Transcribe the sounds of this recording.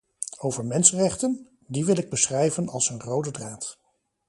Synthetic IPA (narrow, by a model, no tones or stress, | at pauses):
owvəɹmɛnsənrɛχtən | diʋɪlˠɪɡ̚bəsχrɛjvənɑ̰lˠsənrowdədraːt